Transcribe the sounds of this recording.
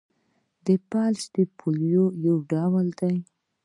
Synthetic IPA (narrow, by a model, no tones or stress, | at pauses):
d̪əpalsd̪əpʰoljojawɖawəld̪aj